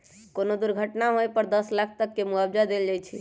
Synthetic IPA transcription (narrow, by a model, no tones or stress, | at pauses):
konod̪uɾɡʱəʈnaɦojpəɾd̪əslakʰt̪əkːemuabd͡ʒad̪eld͡ʒajt͡ʃʰi